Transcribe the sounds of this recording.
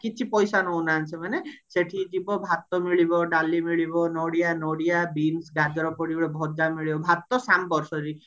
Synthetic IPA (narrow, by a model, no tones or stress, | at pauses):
kit͡ʃʰipɔjsanownaːnt͡ʃʰemaneseʈʰid͡ʒibɔbʱat̪ːɔmiɭibɔɖalimiɭibɔnoɽijanoɽijabinsɡad͡ʒɔɾɔpoɽibɔɭebʱɔd͡ʒamiɭibɔbʱat̪ːɔsampɔɾsɔɾi